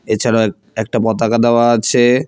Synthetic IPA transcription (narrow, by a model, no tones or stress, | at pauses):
et͡ɕʰaɽao | ɛk̚ʈapɔt̪akad̪eoaat͡ɕʰe